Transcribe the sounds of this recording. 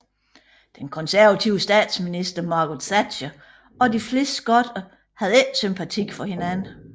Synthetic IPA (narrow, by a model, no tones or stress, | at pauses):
d̥enkʰɒ̽nsæɐʋæt͡sʰiʊəsd̥ɛ̰ːd̥sminisd̥ɐmɑ̈ːɡ̥od̥sæd̥ɕə | ɒ̽d̥ifle̝̰ːsd̥sɡ̥ɒd̥ɐ | hæð̩ˠe̥sympʰæt͡sʰiɡ̥fɒ̽he̝nænə